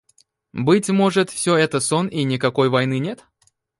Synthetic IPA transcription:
bɨtʲmo̞ʐɨt̪fsʲɵɛt̪əsoninʲɪkɐko̞jvɐjnɨnʲet̪

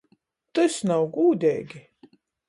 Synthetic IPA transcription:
t̪ɨsnawɡuːd̪ʲɛ̰ːɡʲi

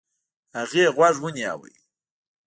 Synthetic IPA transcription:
haɣeːɣwaʐwunja̰wə̰j

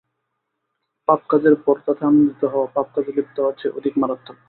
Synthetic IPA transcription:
pap̚kad͡ʑeɾpɔɾt̪at̪ʰamit̪ːoɦɔoapap̚kad͡ʑebip̚t̪oat͡ɕʰeʔod̪ʱikmaɾot̪ʰːo

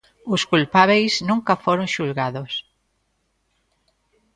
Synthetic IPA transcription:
ʊskulpaβejznũŋkafoɾõŋʃulɣaðos

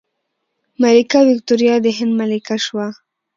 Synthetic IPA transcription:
malikawɪk̚t̪oɾjɑd̪əɦɪnd̪malikaʃwa

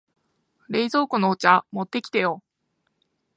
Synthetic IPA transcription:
ɾe̞izo̞ːkonoːt͡ɕamo̞t̪ːe̞kʲi̥t̪e̞jo

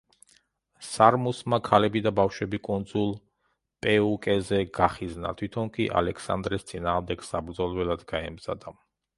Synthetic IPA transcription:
saɾmusmakʰalɛbid̪abafʃwɛbikʼund̪zulˠ | pʼɛukʼɛzɛɡaχizna̰t̪ʰwit̪ʰɔnkʼiʔa̰lɛkʰsa̰nd̪ɾɛst̪sʼinaːʁmd̪ɛɡ̥sabɾd̪zɔlˠvɛlˠad̪ɡaɛmz̥a̰d̪a

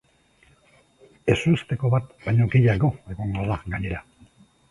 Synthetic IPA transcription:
e̞suest̪e̞ko̞βat̪baɲokiʎaɣo̞e̞ɣoŋɡoraɡaɲe̞ɾa

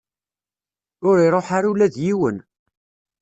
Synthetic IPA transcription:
ʊɾiɾˤoħaɾulæðjiwən

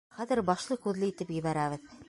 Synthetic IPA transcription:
χæðɘɾbɑʃlˠɤkʉðlɘit̪ɘpjɘ̆βæɾæβɘð

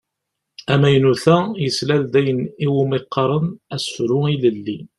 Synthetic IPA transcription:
æmæjnuθæjəslæld̪æjəniwʊmeqːɑɾˤənæsfɾʊiləlːi

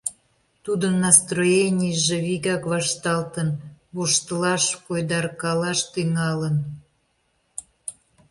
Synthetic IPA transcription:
t̪ud̪ənːɑst̪rojenʲijəʒeβiɣɑkβɑʃt̪ɑlt̪ənβoʃt̪əlɑʃpojd̪ɑrkɑlɑʃt̪yŋɑlən

